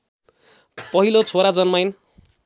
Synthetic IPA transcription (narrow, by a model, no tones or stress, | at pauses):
pʌɦilot͡sʰoɾad͡zʌnmajn